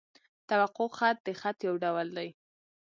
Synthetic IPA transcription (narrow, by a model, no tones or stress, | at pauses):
t̪awaqʊxat̪̚d̪əxat̪jawɖawəld̪aj